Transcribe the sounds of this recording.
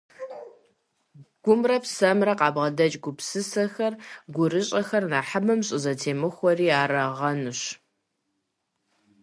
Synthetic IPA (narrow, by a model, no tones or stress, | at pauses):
ɡ̥ʷʊmrɐpsɐmrɐqɑːbʁɐdɐt͡ʃʼɡʷʊpsɨsɐxɐrɡʷʊɾɨɕʼɐxɐrnaːħamɨmɕʼɪzɐtʰeːmɨxʷɔriːaːɾɐʁɐnɨɕ